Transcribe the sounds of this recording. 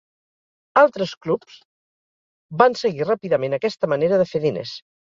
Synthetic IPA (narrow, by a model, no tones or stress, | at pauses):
alˠt̪ɾəsklupz̥ | bansəɣirapiðəmenəkɛst̪əməneɾəðəfeðinḛs